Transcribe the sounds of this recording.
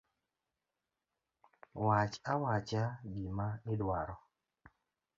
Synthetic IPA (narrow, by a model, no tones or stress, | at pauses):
wat͡ʃawat͡ʃaɡimaɪdwaɾɔ